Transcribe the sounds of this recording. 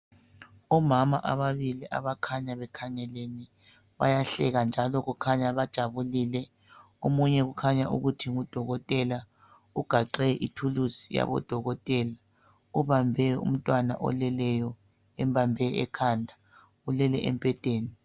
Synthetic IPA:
ɔmamaʔaβaβiliʔa̰βakʰaɲaβɛkʰaŋɛleni | βa̰jaɬɛɣand͡ʒʱalɔɣukʰaɲaβad̥ʒ̥ʱaβuliːlɛ | omuɲɛɣukʰaɲaʔuɣutʰiŋud̥ʱɔɣɔtʼɛla | uɡ̥ʱaǃɛʔitʰulusija̰βɔ̰d̥ʱɔɣɔtʼɛːla | uβambʱɛṵm̩tʼwana̰ʔɔ̰lɛlɛjɔ | ɛmbʱambʱɛɛ̰kʰandʱa | ulɛlɛʔɛ̰mpʼɛd̥ʱʼeːni

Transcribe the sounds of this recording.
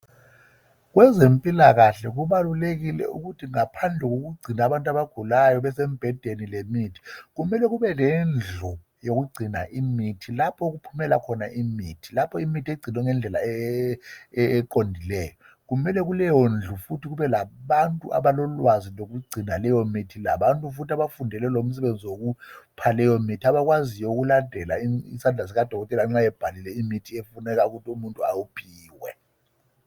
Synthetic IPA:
ɣwɛzempʼilaɣaɬɛɣuβaluleɣilɛ̰ṵɣutʰiŋapʰand͡ɮʱɛɣoɣuɡ͡ǀʱinaβantʼaβaɡ̥ʱulajɔβɛsɛmb̥ʱɛd̥ʱenilemitʰi̥ɣumɛlɛɣuβɛlɛnd͡ɮʱɔ | joɣuɡ͡ǀʱina̰ʔimitʰilapʰɔɣupʰumɛla̰kʰɔnaʔimiːtʰi̥lapʰɔimitieiɡ͡ǀʱinɔŋɛnd͡ɮʱɛlaɛ | ǃondʱilɛːjɔ | k̬umɛlɛɣ̬ulɛjond͡ɮʱufutʰiɣ̬uβɛlaɓantʼuʔa̰βalɔlwazilok̬uɡ͡ǀʱinalɛjomitʰilaɓantʼufutʰiaβafundʱɛlɛlom̩s̬ɛβend͡zʱiwok̬upʰalɛjomitʰiaβak̬wazijɔuk̬ulandʱɛlaiisand͡ɮʱas̬iɣad̥ʱɔɣɔtʼɛlaŋ͡ǁajɛb̥ʱalilɛimitʰiefunɛk̬auɣutʰiumuntʼuawupʰiːwɛ

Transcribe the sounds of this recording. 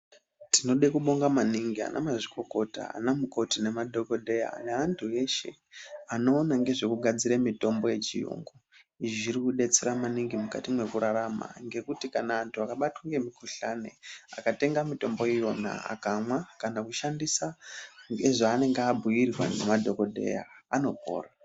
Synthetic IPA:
tino̞ɗekuɓo̞ŋɡamaniŋɡia̰na̰maʐiko̞ko̞ta̰a̰namuko̞tine̞madʱo̞ko̞dʱe̞ja̰neantʰue̞ʃe̞̰ | ano̞ːnaŋɡe̞ʐe̞kuɡʱad͡ziɾemito̞mbo̞je̞t͡ʃḭjo̰ŋɡo | ʐiɾikuɗe̞t͡seɾamaniŋɡimuka̰timwe̞kuɾaɾama̰ŋɡe̞kutikanaantʰuakaɓatwaŋɡe̞mikuɬanḛakate̞ŋɡamito̞mbo̞ijo̞na̰a̰kamwakanakuʃandisaŋɡe̞ʐaːne̞ŋɡabʱujirɣwa̰ne̞̰madʱo̞ko̞dʱe̞̰ja̰ːno̞ɡʱo̰ːra

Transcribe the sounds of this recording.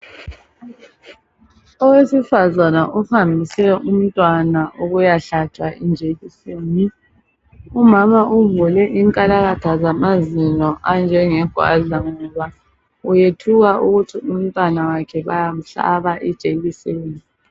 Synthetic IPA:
ɔwesifazanaʔufambʱisɛʔum̩tʼwanaʔuɣujaɬatʰwaʔind͡ʒʱeɣiseːni | umamaʔuvulɛʔiŋkʼalaɣatʰazamazinɔʔand͡ʒʱɛŋɛɡ̥ʱwa̰ɮaŋɔβa | ujetʰuɣaʔuɣutʰium̩tʼwanawakʰɛβa̰jam̩ɬa̰βaʔid̥t͡ʃʒ̥ʼʱeɣiseːni

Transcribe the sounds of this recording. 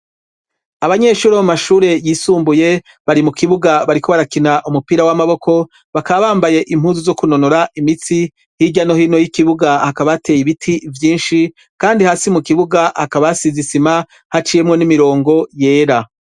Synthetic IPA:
aβaɲe̞ːʃuːɾomumaʃuːɾe̞jiːsuːmbuje̞ | βaɾimukʰiβuɡaβaɾikʰo̞βaɾakinaʔumupiːɾawamaβo̞kʰo̞ | βakaβaβaːmbaje̞ʔim̥huːzuzo̞kunonoɾaʔimit͡si | hiɟano̞hiːno̞jikiβuɡahakaβate̞jiβitʰivjiːnʃi | kaːndihaːsimukiβuɡahakaβasizisima | hat͡ʃije̞mŋo̞nimiɾo̞ːŋɡo̞je̞ːɾa

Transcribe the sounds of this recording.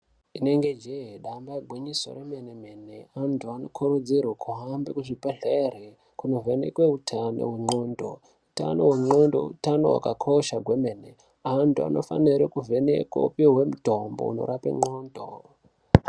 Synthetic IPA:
ine̞ŋɡed͡ʒeɦeɗambaeɡʱwiɲiso̰remeneme̞neantʰuanokʰuɾud͡zirwokʰuɦambekuʐipeɮere | kuno̞venḛkweutʰano̰ɦweŋ͡ǃoːndo̰ | uta̰noweŋ͡ǃondo̰utano̞̰wa̰kakʰo̞ʃaɡʱwemene | antʰua̰nʔo̞fa̰niɾekuvʱenekwo̰upiɦwe̞mutombo̰ṵno̰ɾapḛŋ͡ǃoːndo̰

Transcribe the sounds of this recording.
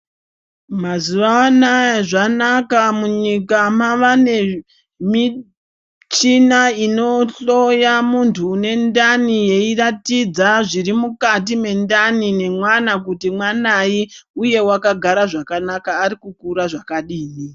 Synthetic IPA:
mazuʋaːnaʐanakamuɲikamaʋane̞ | mi | t͡ʃinaino̞ɬo̞jamuntʰuːne̞ndanije̞iratid͡zaʐiɾimukat̬ime̞ndanine̞mwanak̬utimwanaiuje̞wakaɡʱaɾaʐakanakaːɾikukuɾaʐakaɗiːni

